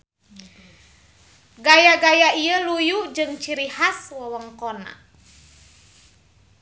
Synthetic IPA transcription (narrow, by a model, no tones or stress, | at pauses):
ɡajaɡajaiəlujud͡ʒɨŋt͡ʃiɾihaswawəŋkɔna̰